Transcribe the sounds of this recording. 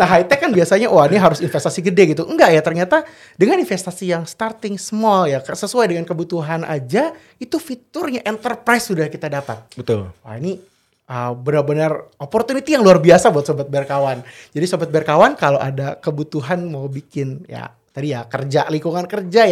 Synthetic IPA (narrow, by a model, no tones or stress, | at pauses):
naɦait̪ɛkanbiasaɲawaniɦaɾʊsinfɛst̪asiɡədɛɡit̪uəŋɡaʔjat̪ərɲat̪a | dəŋaninfest̪asijaŋst̪art̪ɪŋsmɔljaksəsuajdəŋankəbut̪uɦanʔa̰d͡ʒa | it̪ufit̪ʊrɲaʔɛnt̪ərpɾaisudahkit̪adapat̪̚bət̪ʊlwa̰ini | əbənərbənəropɔrt̪unit̪ijaŋluarbiasabuat̪sobat̪̚bɛrkawand͡ʒadisobat̪̚bɛrkawankaloʔadakəbut̪uɦanmawbikɪnja̰ | t̪adijakərd͡ʒaliŋkuŋankərd͡ʒaj